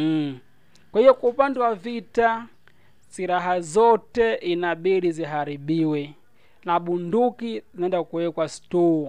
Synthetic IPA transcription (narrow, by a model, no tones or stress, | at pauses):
kwahivɔkwaupandɛwavita | siɾaɦazɔtɛʔinaɓiɾiziɦaɾiɓiwɛ | naɓundukizinaɛndakuwɛkwastɔ